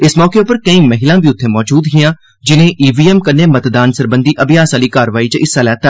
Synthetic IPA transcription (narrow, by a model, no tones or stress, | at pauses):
ɪsmɔːkeːʊpəɾkəĩːməɦɪlãːbiːʊt̪ʰːeːmɔːd͡ʒuːd̪ɦɪjãː | d͡ʒɪnẽːʔiːʋiːɛːmkənːeːmət̪d̪aːnsəɾbə̃nd̪iːʔəbɪjaːsaːliːkaːɾəʋaːiːt͡ʃəʔɪsaːlɛːt̪ʰːaː